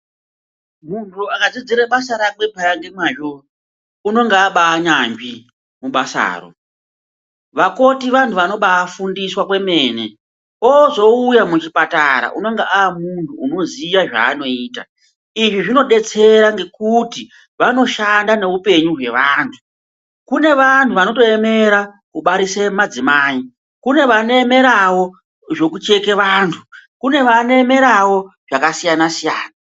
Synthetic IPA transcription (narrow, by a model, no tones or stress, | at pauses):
muntʰuakad͡zid͡ziɾeɓasaɾaɓwepajaŋɡe̞maʒo | uno̞ŋɡeaɓaːɲaŋɡi | muɓasa̰ːro̰ | ʋako̞tiʋantʰuʋano̞ɓaːfundiswakwe̞me̞ːne | oːzo̞ujamut͡ʃipataɾa̰ʔuno̞ŋɡeʔaamuntʰuːno̞zijaʐa̰ːno̞iːta̰ | iʐiʐino̞ɗe̞t͡se̞ɾaŋɡe̞kuti | ʋano̞ʃandane̞upe̞ɲuɦwe̞ʋaːntʰu̥ | kune̞ʋantʰuʋano̞to̞eme̞ɾa | kuɓaɾisemad͡zimaːi | kune̞ʋanoeme̞ɾawo̞ | ʐo̞kut͡ʃe̞keʋaːntʰukune̞ʋanoeme̞ɾawo̞ʐ̥akasijanasijaːna